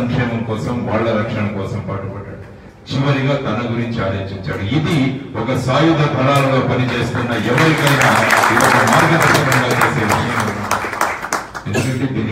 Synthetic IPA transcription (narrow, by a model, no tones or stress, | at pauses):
ɐŋkʂɛːmɐmkɔːsɐmʋaːɭːɐɾɐkʂɐɳɐkɔːsɐmpaːʈɐbɐɖːa̰ːɽu | t͡ʃiʋɐɾiɡaːt̪ɐnɐɡuɾiɲt͡ʃiaːd̪eːt͡ʃiɲt͡ʃaːɽuid̪iɔkɐsaːjud̪ʱɐt̪ʰɐlaːlɐlo̞ːpɐnit͡ʃe̞ːst̪unːɐɛʋɐɾikɐjnaːiaːlɐmaːɾɡʱɐt̪ɐkɐɾɐŋɡaːt͡ʃeːse̞ːʋiʂɐjɐmɐuɳːaːɾu | e̞nd̪ukɐɳʈed̪iːnːi